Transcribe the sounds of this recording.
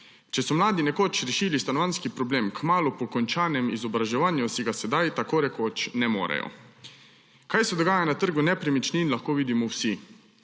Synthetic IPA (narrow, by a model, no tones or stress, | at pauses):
t͡ʃɛsɔmlaːd̪inɛkoːt͡ʃɾɛʃiːlist̪anɔʋaːnskipɾɔbleːmkmaːlupɔkɔnt͡ʃaːnɛmizɔbɾaʒɛʋaːnjusiɡasɛd̪ajt̪akoːɾɛkoːt͡ʃnɛmo̰ːɾɛ̰jɔ̰ | kajsɛd̪ɔɡaːjanat̪əɾɡunɛpɾimit͡ʃninlaxkoːʋiːd̪imɔwsi